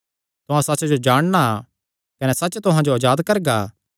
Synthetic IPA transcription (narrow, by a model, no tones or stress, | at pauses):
t̪ʊɦãsɐtːt͡ʃd͡ʒod͡ʒaːɽ̃na | kɐnɛsɐt͡ʃt̪ʊɦãd͡ʒoɐd͡ʒaːd̪kɐɾɡaː